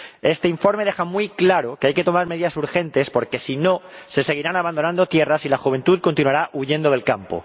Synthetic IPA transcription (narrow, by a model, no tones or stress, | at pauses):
e̞st̪e̞iɱfo̞ɾme̞ðe̞xamwiklaɾokeajke̞t̪o̞maɾme̞ðiðasuɾxe̞nt̪e̞spo̞ɾke̞sino̞se̞se̞ɣ̞iɾanaβand̪onãnd̪o̞t̪je̞rasilaxuβe̞nt̪uðko̞nt̪inuaɾaʔuʝe̞nd̪o̞ðelkampo̰